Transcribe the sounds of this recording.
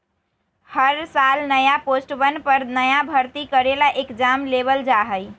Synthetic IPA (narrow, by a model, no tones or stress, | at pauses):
həɾsalnəjaposʈbənpəɾnəjabʱəɾt̪ikəɾelaʔekd͡ʒamleβəld͡ʒaɦəj